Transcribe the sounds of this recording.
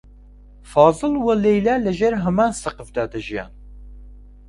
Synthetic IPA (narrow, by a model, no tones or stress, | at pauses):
fɑːzɨlwəlejlæːləʒeɾɦɐmaːnsəqəfd̪aːd̪əʒijɑ̰ːn